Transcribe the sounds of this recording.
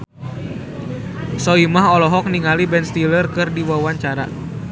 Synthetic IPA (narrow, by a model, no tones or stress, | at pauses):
sɔimaɦɔlɔɦɔk̚niŋalibɛnst̪ilərkɨrdiwawaɲt͡ʃaɾa